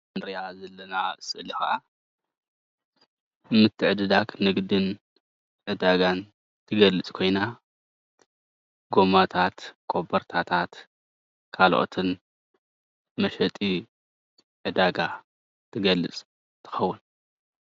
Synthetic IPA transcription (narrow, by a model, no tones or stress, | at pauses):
nɾiazɐlːɐnasɨʔlixaʔa | mɨt̪ʰːɨʕɨd̪ɨd̪aknɨɡd̪ɨn | ʕɨd̪aɡan | t̪ʰɨɡɐlɨt͡sʼkʰo̞jna | ɡo̞mat̪ʰat̪kʼo̞bɐɾt̪ʰat̪ʰat̪ | kʰalʔo̰t̪ʰɨn | mɐʃɐt̪ʼi | ʕɨd̪aɡa | t̪ʰɨɡɐlɨ̰t͡sʼ | t̪ʰɨ̥xɐwːʊn